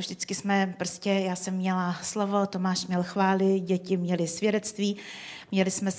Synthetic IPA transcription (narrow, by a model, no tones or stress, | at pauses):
vʒdɪt͡skɪsmɛpɾoscɛjaːsɛmːɲɛlaslo̞vo̞t̪o̞maːʃmɲɛlxvaːlɪɟɛcɪmɲɛlɪsvjɛdɛt̪t͡st̪viːmɲɛlɪsmɛ